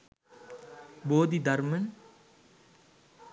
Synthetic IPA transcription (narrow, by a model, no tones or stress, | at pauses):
boːd̪id̪ɐɾmɐn